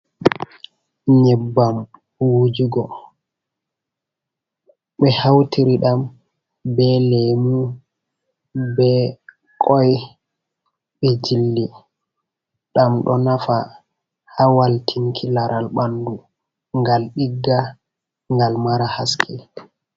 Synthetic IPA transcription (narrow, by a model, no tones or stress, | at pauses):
ɲɛbːam | wud͡ʒuɡɔ | ɓɛhawtiɾiɗam | bɛlɛmu | bɛ | kʰʼɔj | ɓɛd͡ʒilːi | ɗamɗɔ̰nafa | hawaltʰiŋkʰilaɾʔalɓandu | ŋɡalɗiɡːa | ŋɡalmaɾahaskʰi